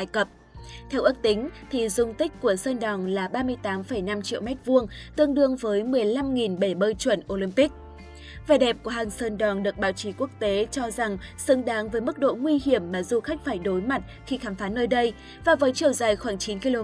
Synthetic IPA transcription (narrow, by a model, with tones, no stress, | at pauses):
aː˧˩jkə˨˩p̚ | t̪ʰɛ˧wʔɨ˦˥k̚t̪ï˨˦ŋ̟t̪ʰi˨˩zʊ˧ŋ͡mt̪ï˦˥k̟̚ʲku˧˩əsəː˧nɗɔ˨˩nlaː˨˩ɓaː˧mɨ˧əjt̪aː˨˦mfə˧˩jna˧mt͡ɕḭ˧˨əwmɛ˦˥t̚vu˧əŋt̪ɨ˧əŋɗɨ˧əŋvəː˨˦jmɨ˨˩əjla˧mŋi˨˩nɓe˧˩ɓəː˧jt͡ɕwə˧˩nʔo˧lï˧mpi˦˥k̚ | vaː˨˩ɗɛ˨˩p̚ku˧˩əɦaː˨˩ŋsəː˧nɗɔ˨˩nɗɨ˨˩ək̚ɓaː˨˦wt͡ɕi˨˦ku˦˥ək̚t̪e˨˦t͡ɕɔ˧za˨˩ŋsɨ˨˦ŋɗaː˨˦ŋvəː˨˦jmɨ˦˥k̚ɗo̰˧˨ŋwi˧ɦi˧˩əmːaː˨˩zu˧xa˦˥jk̟̚faː˧˩jɗo˨˦jma˨˩t̚xi˧xaː˨˦mfaː˨˦nəː˧jɗə˧j | vaː˨˩vəː˨˦jt͡ɕi˧˩əwza˨˩jxwaː˧˩ŋt͡ɕi˨˦nki˧lo˧